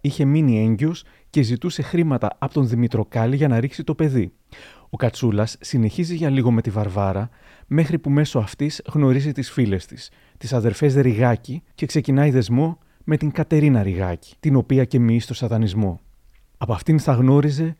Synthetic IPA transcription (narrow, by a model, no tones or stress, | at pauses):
içe̞minie̞ɲɟeo̞s | ce̞zit̪use̞xɾimɐt̪ɐ̰ɐpot̪o̞nðimit̪ɾo̞kɐliʝɐnɐɾiksit̪o̞pe̞ði | o̞kɐt͡sulɐsːine̞çiziʝɐliɣo̞me̞t̪ivɐɾvɐɾɐ | me̞xɾipume̞so̞ɐft̪izɣno̞ɾizit̪isfile̞st̪i̥s | t̪isɐðe̞ɾfe̞zɾiɣɐcice̞kse̞cinɐiðe̞zmo̞ | me̞t̪iŋkɐt̪e̞ɾinɐɾiɣɐ̰ci̥t̪ino̞piɐce̞mist̪o̞sɐðɐnizmo̞ | ɐpoɐft̪inθɐɣno̞ɾize̞